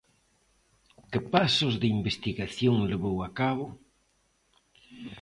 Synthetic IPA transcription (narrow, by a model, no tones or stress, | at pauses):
kɪpasozðeimbest̪iɣaθjoŋleβowakaβ̞o